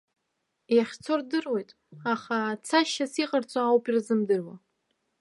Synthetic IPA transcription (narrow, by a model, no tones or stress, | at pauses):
jaχʲt͡sʰo̞rdɨrwe̞jtʼ | aχat͡sʰaʃasiqʼart͡sʼaawpʰʼirzɨmdɨrwa